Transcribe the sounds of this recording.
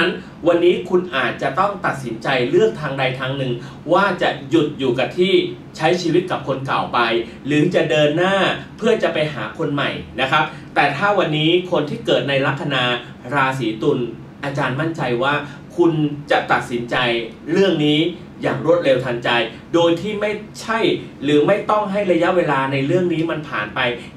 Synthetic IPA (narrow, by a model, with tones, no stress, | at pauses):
n | wa˧nːiː˦˥kʰu˧nʔaː˨˩t̪̚t͡ɕa˨˩t̪ɔ˥˩ŋt̪a˨˩t̪̚si˩˦nt͡ɕa˧jɾɯ˥˩əŋt̪ʰaː˧ŋda˧jt̪ʰaː˧ŋnɯ˨˩ŋ | waː˥˩t͡ɕa˨˩ʔju˨˩t̪̚juː˨˩ka˨˩t̪ʰiː˥˩ | t͡ɕʰa˦˥jt͡ɕʰiː˧wi˦˥t̪̚ka˨˩p̚kʰo˧nka˨˩wpa˧j | lɯ˩˦t͡ɕa˨˩ʔdɤː˧nːaː˥˩pʰɯ˥˩ət͡ɕa˨˩ʔpa˧jɦaː˩˦kʰo˧nma̰˨˩jna˦˥kʰa˦˥p̚ | t̪ɛː˨˩t̪ʰaː˥˩wa˧nːiː˦˥kʰo˧nt̪ʰiː˥˩kɤː˨˩t̪̚na˧jɾa˦˥k̚tʰa˧naː˧ | ɾaː˧s̬iː˩˦t̪u˧n | ʔaː˧t͡ɕaː˧nma˥˩nt͡ɕa˧jwaː˥˩ | kʰu˧nt͡ɕa˨˩t̪a˨˩t̪̚si˩˦nt͡ɕa˧j | ɾɯ˥˩əŋniː˦˥ | jaː˨˩ŋɾu˥˩ət̪̚ɾe˧wt̪ʰa˧nt͡ɕa˧j | doː˧jt̪ʰiː˥˩ma˥˩jt͡ɕʰa˥˩jɾɯː˩˦ma˥˩jt̪ɔ˥˩ŋɦa˥˩jɾa˧ja˦˥ʔweː˧laː˧na˧jɾɯ˥˩əŋniː˦˥ma˧npʰaː˨˩˦npa˧j